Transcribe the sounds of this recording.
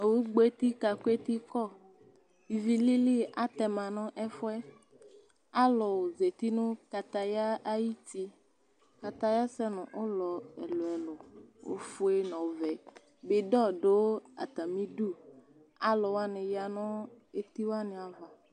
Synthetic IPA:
e˨wu˦ɡ͡bo˦e˦t̪i˦ka˨ko˦e˦t̪i˦kɔ˦˨ | i˨vi˦li˦li˦˨ʔa˦t̪ɛ˨mã˨nɔ̃˦ʔɛ˦fɔ˦ɛ˦ | a˦lɔ˨wo˨ze˨t̪i˦nũ˦ka˨t̪a˨ja˦ʔa˦ji˦t̪i˦ | ka˨t̪a˦ja˦sɛ˦nɔ̰̃˨ʔo˦lɔ˨ɛ̰˨lo˨ɛ˨lɔ˨wo̰˦fu˦e˦nɔ̃˨vɛ˨ | be˨ɖɔ˦ɖe˨˦wo˦a̰˨t̪a˨mĩ˦ɖu˦ | a˦lɔ˨wa˦nẽ˨ja˨nɔ̃˦ | e˦t̪i˦wa˦nẽ˨a˨va˨

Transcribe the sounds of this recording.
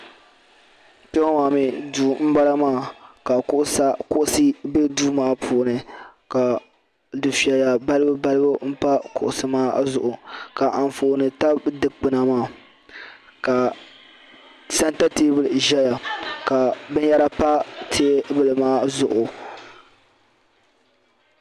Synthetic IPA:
pɛ˦ŋa˦maː˨mi˨duː˨m̩˦ba˦la˦maː˦˨ka˨kʊ˦ʔʊ˦sa˦kʊ˦ʔʊ˦sɨ˦be˦duː˦maː˦pʰuː˨nɨ˨ka˨ | dɨ˨fi˨a˨ja˨ba˦lɨ˦bɨ˦ba˦lɨ˦bɨ˦m̩˦pa˦kʊ̰˨ʔʊ˨sɨ˨maː˦zʊ˨ʔʊ˨ka˨ʔa˨ɱ˨fo˨nɨ˨ta˦dɨ˨k͡pɨ˨na˨maː˦˨ | ka˨ | sa˦nta˦teː˦bɨ˨lʒɛ˦ja˨ka˨bɨ˦ɲ˦ja˦ɾa˦pa˦tʰeː˦bɨ˦lɨ˨maː˦zʊ˨ʔʊ˨

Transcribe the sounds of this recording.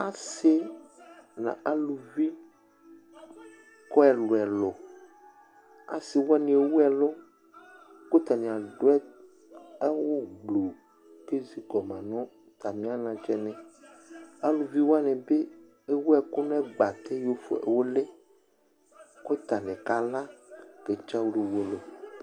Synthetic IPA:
a˦se˦ | nã̰˨ʔa˦lu˨vi˦ | kɔ˦ɛ˨lɔ˨ɛ˨lɔ˨ | a̰˨si˨wo˦a˦nĩ˨e˨wu˦ɛ˨lɔ˦ | ko˦t̪a˨nĩ˨a˨ɖo˦ɛ˦ | ɛ˦wo˦ɡ͡blo˨ | ke˦zi˨kɔ˨mã˨nɔ̃˦ | t̪a˨mĩ˦a˦nã˨t͡ʃɛ˦nɛ̃˨ | a˦lu˨vi˦wo˦a˦nɛ̃˨be˦ | e˦wu˦ɛ˨ku˦nɔ̃˦ɛ˦ɡ͡ba˨t̪e˦jo˦fo̰˨ḛ˨wo˦le˦ | ko˦t̪a˨nɛ̃˨ka˨la˦ke˨t͡ʃa˦wle˨wo˨˦e˦˨lo˨

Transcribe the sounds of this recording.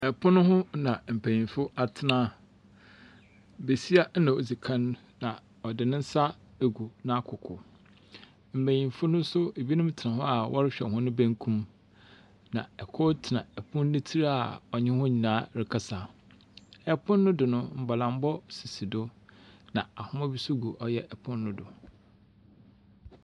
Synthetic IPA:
ɛ˨pʰʊ̃˦nʊ̃˦hʊ̃˦nã˨m̩˨pʰæ̃˨ɲĩ˨nfʊ˦a˨tʰɪ˨nãː˦ | be˨si˦a˦nã˨o˨d͡zi˨kʰã˦nː˦ã˨ | ɔ˨dɪ˨nɪ̃˦n̩˦sa˦ | e˨ɡu˨nã˦a˦kʰʊ˨kʰʊ̰˨ | m̩˨bæ̃˨ɲĩ˨m˨fʊ˦nʊ̃˦sʊ˦e˨bi˦nʊ̃˦mtʰɪ˨nã˨ɦʊ̃˦a˨wʔɔ̰˦ɾɪ˦ɕᶣɛ˨hʊ̃˦nʊ̃˦bæ̃˦ŋkʰũ˦m | nã˨ɛ˨kʰɔ˦tʰɪ˨nã˨ɛ˨pʰʊ̃˦nː˦ɪ̃˦tʰi˦ɾa˦a˨ɔ˨ɲɪ̃˦hɔ̃˦ɲĩ˨nãː˨˦ɾɪ˨kʰa˦sa˨ | ɛ˨pʰʊ̃˦nːʊ̃˦dʊ˨nʊ̃˦m̩˨ba˨lã˨m̩˦bɔ˦si˨si˨dʊ˦nã˨a˨hʊ̃˦mã˦bi˦su˦ɡu˨ʔɔ˦jɛ˦ʔɛ˨pʰʊ̃˦nː˦ʊ̃˦dʊ˨

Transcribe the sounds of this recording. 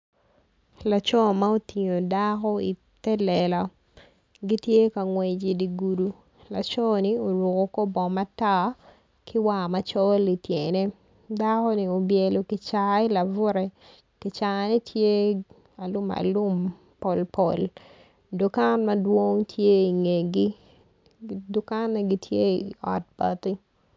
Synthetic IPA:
la˨t͡ʃɔ˦ma˦o˦ti˨ɲo˨da˦kɔ˦i˨ | tɛ˦lɛ˨la˨ | ɡi˦tje˦ka˨ŋwe˨d͡ʒi˨di˨ɡu˨du˨ | la˨t͡ʃɔ˦ni˦o˨ɾu˨ko˨ko˦bɔ˨ma˦ta˦ | kɪ˦wa˨ma˦t͡ʃɔ˦li˨tje˨ne˦ | da˦kɔ˦ni˨o˨bje˨lo˨kɪ˨t͡ʃa˨i˦la˨vʊ˦ɾɛ˦ | kɪ˨t͡ʃa˨ni˦tʰje˦ | a˨lʊ˦ma̰˨lʊ˦m | pɔ˨lpɔ˨l | dʊ˨ka˦nmɐ˦dwo˦ŋtʰje˦i˨ŋe˨ɡi˦ | dʊ˨ka˦nma˦ɡi˦tʰje˦˨ɔ̰˨t̚ba̰˨ti˦

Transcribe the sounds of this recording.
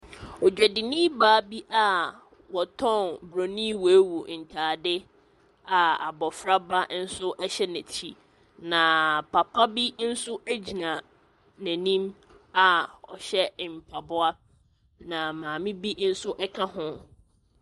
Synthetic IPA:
ɔ˨d͡ʑᶣɛ˨dɪ˨nĩ˦baː˨˦bi˦ʔa˨ | wɔ˨tʰɔ̃˦˨nbɾo˨nĩ˦wɔ˨e˦wu˨n̩˨tʰaː˨dɪ˦ | a˨a˨bɔ˨fɾa˦ba˦n̩˦sʊ˦ʔɛ˦ɕɛ˦næ˨tʰi˨ | nã˨pʰa˨pʰa˦bi˦n̩˦sʊ˦ʔæ˦d͡ʑi˨nã˨ | næ̃˨nĩ˦m | a˨ɔ̰˨ɕɛ˦˨m̩˨pʰa˨bʊ˦a˦ | nã˨mãː˨mɪ̃˦bi˦n̩˦sʊ˦ʔɛ˦kʰã˦hʊ̃˦

